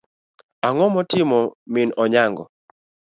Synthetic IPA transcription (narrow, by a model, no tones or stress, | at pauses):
aŋɔmɔtɪmɔmɪnɔɲaŋɡɔ̰